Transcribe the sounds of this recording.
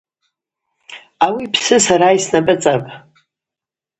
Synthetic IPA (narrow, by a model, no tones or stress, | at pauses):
awipʰsɨsaɾaisnapʼɨt͡sʼapʼ